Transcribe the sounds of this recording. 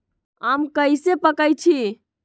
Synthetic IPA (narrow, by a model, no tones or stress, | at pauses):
amkəjsepəkəjt͡ʃʰi